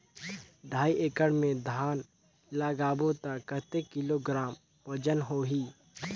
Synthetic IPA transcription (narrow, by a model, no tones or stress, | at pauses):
ɖʱaːiʔeːkəɽmẽd̪ʱaːn | laːɡaːbot̪əkət̪ekɪloɡɾaːm | pəd͡ʒənɦoːɦiː